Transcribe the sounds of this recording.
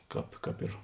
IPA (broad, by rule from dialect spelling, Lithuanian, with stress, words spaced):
ˈkɑːp ˈkɑːp ɪr